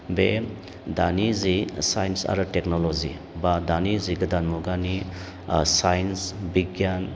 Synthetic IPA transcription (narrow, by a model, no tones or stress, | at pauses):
be | danizisajnsa̰ɾɯteknolozḭ | badaniziɡɐdanmuɡani | sajnsbiɡjan